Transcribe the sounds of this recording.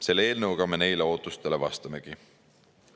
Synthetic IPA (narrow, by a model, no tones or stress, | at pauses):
se̞lːee̞ːlnɤwɡ̥ɑme̞ne̞jleo̞ːt̪ːˑust̪e̞le̞vɑst̪ɑme̞ɡ̥i